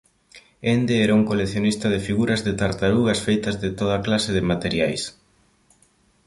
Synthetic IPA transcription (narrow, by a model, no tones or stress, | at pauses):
end̪eɛɾauŋkolekθjonist̪ɐðɪfiɣuɾɐzðɪt̪aɾt̪aɾuɣɐsfejt̪ɐzðɪt̪oð̞ɐklasɪðɪmat̪eɾja̰js